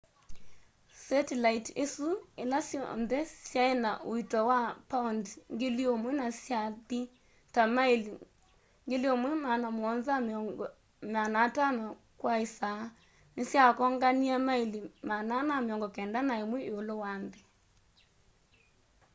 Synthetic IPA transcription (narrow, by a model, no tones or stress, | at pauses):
sɛtelaitesuelasjɔ̰nðɛsjaenaʔoitɔwapaundŋɡeleomwɛnasjaði | tamaeli | ŋɡeleomwɛmanamɔnzam | manatanɔ | kwaesa | nesjakɔŋɡaniamaelimananameɔŋɡɔkɛndanaemwɛeolowande